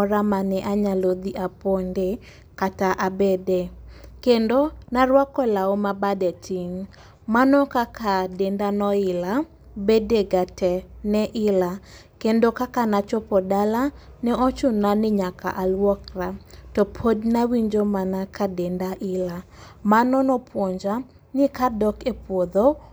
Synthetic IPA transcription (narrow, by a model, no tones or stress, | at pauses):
ɔɾamanɛʔaɲalod̪iʔaponde | kataʔabedekendonaɾwakɔlaɔmabadɛtɪŋ | manɔkakadendanɔɪla | bedeɡatɛnɛʔɪla | kendokakanat͡ʃɔpɔdala | nɛɔt͡ʃʊnanɪɲaka̰ʔalwɔkratɔpʰodnawiɲd͡ʒomanakʰadendaʔɪla | manɔnɔpwoɲd͡ʒa | nɪkadɔkepwod̪o